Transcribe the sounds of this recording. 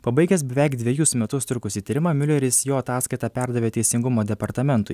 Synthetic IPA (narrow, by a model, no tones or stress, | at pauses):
pɐbɐɪɡʲɛsbʲɛʋʲæˑɪkd̪ʲʋʲɛjʊsmʲɛt̪ʊst̪ʲʊkʊsʲiːt̪ʲɐɾʲɪmɑmʲʊlʲɛɾʲɪsjoːɐt̪ɑːskɐɪt̪ɑːpʲæɾd̪ɐʋʲeːt̪ʲɛɪsʲɪŋɡʊmoːd̪ʲɛpɐɾt̪ɐmʲɛnt̪ʊɪ